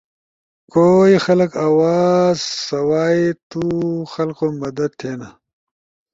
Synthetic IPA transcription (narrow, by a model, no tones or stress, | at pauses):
koːixɐlɐkaːwaːzsɐwaːit̪uxɐlkomɐd̪ɐd̪̚t̪ʰeːna